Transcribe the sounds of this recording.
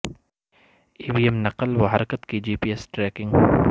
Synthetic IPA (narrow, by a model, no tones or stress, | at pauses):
iːbiːɛmnɐqəlʋɐɦɐɾkət̪kid͡ʒiːpiːesʈɾɛːkɪ̃ŋɡ